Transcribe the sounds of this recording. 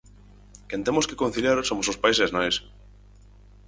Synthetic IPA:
kent̪emoskekon̟θiljaɾsomosospaiseznajs

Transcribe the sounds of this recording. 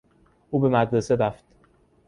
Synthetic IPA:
ʔuːbe̞mæd̪ɾese̞ɾæft̪

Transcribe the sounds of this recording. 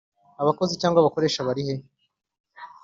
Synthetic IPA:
aβako̞zicaːŋɡwaβako̞ɾe̞ːʃaβaɾihe̞

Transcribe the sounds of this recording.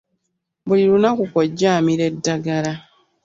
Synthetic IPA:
βulilunakukoɟːaːmiɾe̞dːaɡala

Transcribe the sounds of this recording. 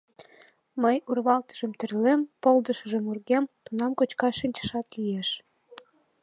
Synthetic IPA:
məjurβɑlt̪ə̥ʒəmt̪ə̆rlempold̪əʃə̆ʒə̆murɣemt̪unɑmkot͡ɕkɑʃinʲt͡ɕə̥ʃɑt̪lieʃ

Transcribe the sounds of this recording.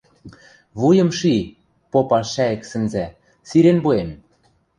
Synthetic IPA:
βujɤ̆mʃi | popɑʃæĕksɘ̆nzæ | siɾenbuem

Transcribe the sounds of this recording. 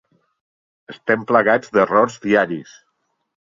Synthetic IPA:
əst̪ɛmpləɣad͡zd̪ərɔɾzðiaɾis

